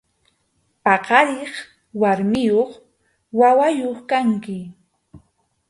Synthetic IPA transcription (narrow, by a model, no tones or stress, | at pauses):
pɑqɑɾɪχ | waɾmɪjoχ | wawajoχkaŋkɪ